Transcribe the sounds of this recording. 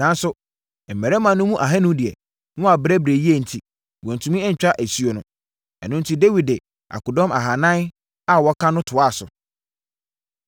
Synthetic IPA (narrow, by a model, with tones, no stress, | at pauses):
nã˨˦n˦sʊ˨ | m̩˨mɛ˨ɾɛ˦mã˨nːʊ̃˦mũ˦ʔa˨ɦɛ˦nʊ̃˦dɪ˨ɛ̰˨ | nʊ̃˦a˨bɾɛ˦bɾe˨ji˦e˦˨n̩˨tʰi˨ | wɔ̃˨n̩˨tʰũ˨˦mĩ˦ɛ˦ɲ̩˨t͡ɕᶣa˦ʔæ˨si˦o˨nʊ̰̃˨ | ɛ̰˨nʊ̃˦n̩˦tʰi˦de˦wi˨dɪ˨ | ʔa̰˨kʊ˨dɔ̃˦ma˨ɦa˨nã˦n | a˦wɔ˦kʰã˦nʊ̃˦tʰʊ˨a˦˨sʊ̰˨